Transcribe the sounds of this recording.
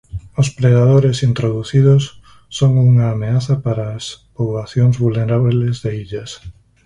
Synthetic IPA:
ospɾeðað̞oɾesint̪ɾoðuθið̞osː | oŋuŋaːmeaθɐpaɾaːspoβlaθjoŋzβulneɾaβlezðeiʎɐs

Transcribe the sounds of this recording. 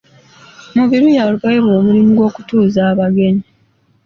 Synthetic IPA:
muβiɾujaːlupajeβo̞ːmulimuɡwo̞ːku̥tuːzaːβaɡe̞ɲi

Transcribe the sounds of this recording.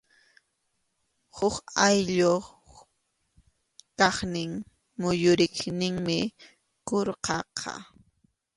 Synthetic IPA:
hʊkajʎo | kɑχnɪŋ | mʊjʊɾɪχnɪŋmɪ | koɾqɑqʰɑ̰

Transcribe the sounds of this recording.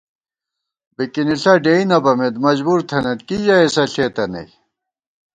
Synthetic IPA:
bikiniɬɐɖeinɐbɐmed̪mɐd͡ʑbuɾt̪ʰɐnɐt̪kid͡ʑaesɐɬeːt̪ɐnḛj

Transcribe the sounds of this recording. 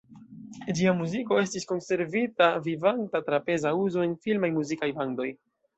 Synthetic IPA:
d͡ʒiamuziko̞e̞stisko̞nse̞ɾvitavivantatɾape̞zauzoe̞nfilmajmuzikajvando̞j

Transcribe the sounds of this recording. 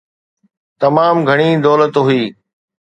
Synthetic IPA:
t̪ɐmaːmɡʱɐɽ̃iːd̪ɔːlət̪ɦʊiː

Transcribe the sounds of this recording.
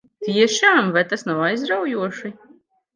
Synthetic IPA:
t̪iɛʃaːmvajt̪asnawajzɾawjuɔʃi

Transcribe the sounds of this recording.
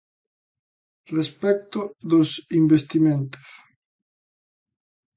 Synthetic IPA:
respɛk̚t̪oðosimbest̪imẽnt̪o̥s

